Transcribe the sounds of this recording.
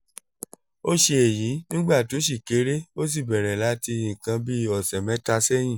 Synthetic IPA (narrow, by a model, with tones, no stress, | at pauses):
o˦ʃe˧e˨jĩ˨˦nĩ˦ɡ͡ba˦˨to˨˦ʃ̬i˦˨ke˨˦ɾe˦o˦s̬i˦˨bɛ˨ɾɛ˨la˨˦ti˧jĩ˨kã˧bi˦ɔ˨sɛ˨mɛ̃˦ta˧sɛ˦j̃ĩ˦˨